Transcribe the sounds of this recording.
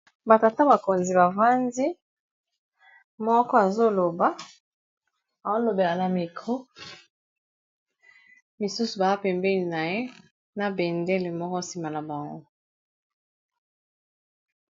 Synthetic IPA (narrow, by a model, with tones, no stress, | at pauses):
ba˨ta˨ta˦ba˨ko˨nzi˨ba˨va˦ndi˦ | mɔ˦kɔ˦a˨zo˦lo˨ba˨˦ | a˨o˦lo˨be˨la˨na˨mi˨kʁo˦ | mi˨su˦su˨ba˨a˦pɛ˨mbɛ˦li˨na˨je˦ | na˨bɛ˨ndɛ˦le˨mɔ˦kɔ˦si˦ma˨na˨ba˨ŋɡo̰˦